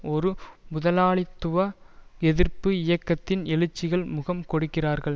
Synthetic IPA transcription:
ɔɾɯmʊðɐlaːɭɪt̪ːʊʋɐɛðɪɾpɯɪjɐkːɐt̪ːɪnɛlɯt͡ʃːɪɣɐɭmʊɣɐmkɔɽɯkːɪraːɾɣɐɭ

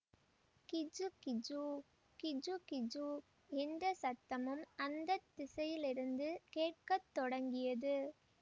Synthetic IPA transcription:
kɪd͡ʒɯkɪd͡ʒu | kɪd͡ʒukɪd͡ʒu | ɛnd̪ɐsɐt̪ːɐmɯmɐnd̪ɐt̪ːɪsɐjɪlɪɾɯnd̪ɯkeːʈ̚kɐt̪ːɔɽɐŋɡɪjɐðɯ

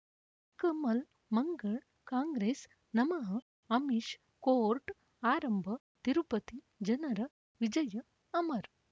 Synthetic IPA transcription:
kɐmɐl | mɐŋɡɐɭ | kaːŋɡɾeːs | nɐmɐɦɐ | ɐmiʃ | koːɾʈ | aːɾɐmbʱɐ | t̪iɾupɐt̪i | d͡ʒɐnɐɾɐ | ʋid͡ʒɐjɐ | ɐmɐɾ

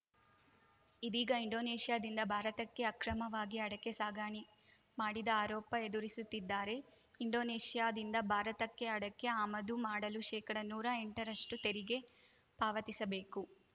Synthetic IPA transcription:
id̪iːɡɐiɳɖo̞ːneːʂijaːd̪ind̪ɐbʱaːɾɐt̪ɐkːe̞ɐkɾɐmɐʋaːɡiɐɽɐkːe̞saːɡaːɳi | maːɽid̪ɐaːɾɔːpɐe̞d̪uɾisut̪ːid̪ːaːɾe̞ | iɳɖoːneːʂijaːd̪ind̪ɐbʱaːɾɐt̪ɐkːe̞ɐɽɐkːe̞aːmɐd̪umaːɽɐluʃɛːkɐɽɐnuːɾɐeɳʈɐɾɐʂʈut̪e̞ɾiɡe̞ | paːʋɐt̪isɐbe̞ːku

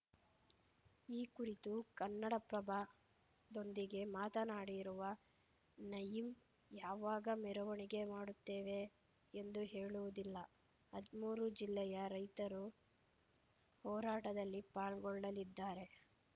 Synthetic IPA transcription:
iːkuɾit̪ukɐnːɐɽɐpɾɐbʱa | d̪o̞nd̪iɡe̞maːt̪ɐnaːɽiɾuʋɐ | nɐjim | jaːʋaːɡɐmɛɾɐʋɐɳiɡe̞maːɽut̪ːeːʋe̞ː | nd̪uɦe̞ːɭuʋud̪ilːɐ | hɐd̪muːɾud͡ʒilːɛjɐɾɐjt̪ɐɾu | hɔːɾaːʈɐd̪ɐlːipaːɭɡɔɭːɐlid̪ːaːɾe̞

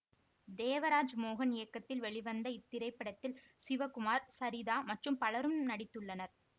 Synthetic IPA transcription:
d̪eːʋɐɾaːd͡ʒmoːɣɐnɪjɐkːɐt̪ːɪlʋɛɭɪʋɐnd̪ɐɪt̪ːɪɾɐɪpːɐɽɐt̪ːɪl | sɪʋɐkʊmaːɾsɐɾɪðaːmɐʈrɯmpɐɭɐɾɯmnɐɽɪt̪ːɯɭːɐnɐɾ

